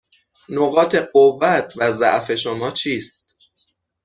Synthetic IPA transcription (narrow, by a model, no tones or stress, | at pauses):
noɣɒːt̪ʰe̞ɢovːæt̪ʰvæzæ̰ʔfe̞ʃomɒːt͡ʃʰiːst̪